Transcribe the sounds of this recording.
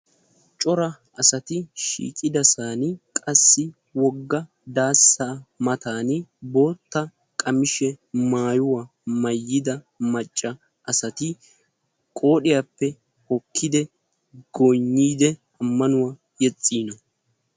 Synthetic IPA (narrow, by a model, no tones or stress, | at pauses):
t͡ʃʼɔɾɐ | ɐsɐt̪ɪʃḭːkʼɪd̪ɐsaːnkʼɐsːɪ | wɔɡːɐ | d̪aːsːamɐt̪aːnbo̞ːt̪ːɐ | kʼɐmɪʃɛmaːjʊwaː | mɐjːɪd̪ɐ | mɐt͡ʃʼːɐ | ʔɐsɐt̪ɪ | kʼo̞ːɗɪjaːpːɛ | hɔkʰːɪd̪ɛ | ɡɔjɲːiːd̪ɛ | ɐmːɐnʊwaː | jɛt͡sʼːiːnɔ